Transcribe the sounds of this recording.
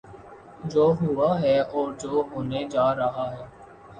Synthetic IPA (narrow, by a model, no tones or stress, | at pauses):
d͡ʒoːɦʊaːɦɛːɔːɾd͡ʒoːɦoːned͡ʒaːɾəɦaːɦɛː